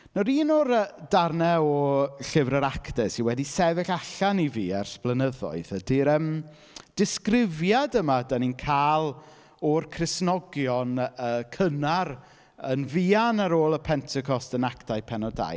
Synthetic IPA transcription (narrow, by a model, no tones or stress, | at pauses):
nɔɾiːnɔɾədarnɛɔɬɪvrəɾaktɛsiwɛdisɛvɪɬaɬaniviːɛ̰rsb̥lˠənəðɔ̰ɨðədiɾəm | d̥ɪskrɪvjadəmadaninkʰaːlˠ | ɔrkʰrɪsnɔɡjɔnəːkʰənaɾ | ənviːanaɾoːlˠəpʰɛntʰɛkʰɔstənaktajpʰɛnɔda̰j